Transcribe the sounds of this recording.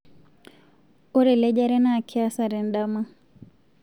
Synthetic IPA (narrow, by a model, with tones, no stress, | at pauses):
o˦ɾɛ˨lɛd͡ʒa˦ɾɛ˦na˨kʰi˦a˦sa˨ɾɛ˨nɗama˦